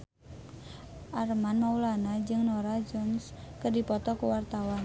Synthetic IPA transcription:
ʔarmanmaulanad͡ʒɨŋnoɾad͡ʒɔnskərdipɔt̪ɔkuwart̪awan

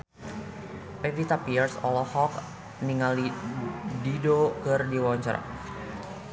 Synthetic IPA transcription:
pevit̪apiɛrsɔlɔhɔk̚ | niŋali | didokɨrdiwaɲt͡ʃa̰ɾa̰

